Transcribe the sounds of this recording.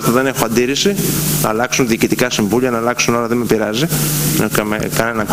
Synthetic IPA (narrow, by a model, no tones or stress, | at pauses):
t̪ɐðe̞ne̞xoɐnd̪iɾisinɐ̰ːlɐksunðiːcit̪ikɐsiɱvuʎiɐnɐːlɐksuno̞ɾɐðemepiɾɐziɐkɐmḛkɐnenɐk